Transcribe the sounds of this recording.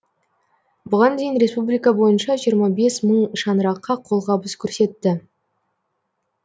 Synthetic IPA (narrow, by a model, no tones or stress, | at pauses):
bʊʁɑnd̪e̞jɪnɾe̞spublijkɑbo̞jənʃɑʒijəɾmɑbe̞sməɴʃɑnəɾɑqːɑqʰo̞lˠʁɑbəskʲʰɵɾse̞t̪ːɪ